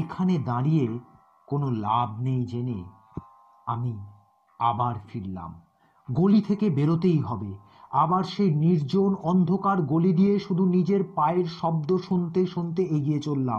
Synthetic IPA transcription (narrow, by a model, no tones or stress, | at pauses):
ekʰaned̪aɾije | konolab̚ʱnejd͡ʑenḛ | ami | abaɾfiɾla̰m | ɡolit̪ʰekebeɾot̪̬ejɦɔbe | abaɾʃejniɾd͡ʑonɔnd̪ʱokaɾɡolid̪ijeʃud̪ʱunid͡ʑeɾpaeɾʃɔb̚d̪oʃont̪eʃont̪eeɡijet͡ɕolːa̰m